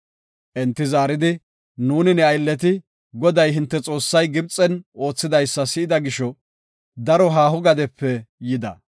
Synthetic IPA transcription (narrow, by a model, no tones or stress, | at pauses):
ʔɛnt̪ːɪzaːɾɪd̪ɪ | nuːnɪnɛɐjlːɛt̪̬ɪ | ɡɔd̪ɐjɦɪnt̪ːɛt͡sʼo̞ːsːɐjɡɪbt͡sʼːɛno̞ːt͡sːɪd̪ɐjsːɐsɪʔɪd̪ɐɡɪʃɔ | d̪ɐɾɔɦaːhʊɡɐd̪ɛpːɛjɪd̪ɐ̰